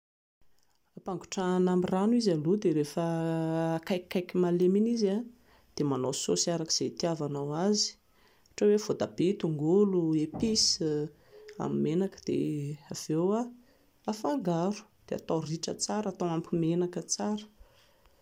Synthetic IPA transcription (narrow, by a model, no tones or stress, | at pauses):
apaŋɡu̥ʈ͡ʂanamiranuizalod̪eɾefə | kajkːajkʲimaleminiza | d̪̥emanososaɾaki̥z̥et̪iavanawazi̥ | aʈ͡ʂowev̥od̪ab̥et̪uŋɡuluepis | a̰mimenakə̥d̪̥ḛav̥ewa | afaŋɡaɾu̥d̪̥ea̰t̪ariʈ͡ʂət͡saɾat̪awampimenakət͡saɾə̥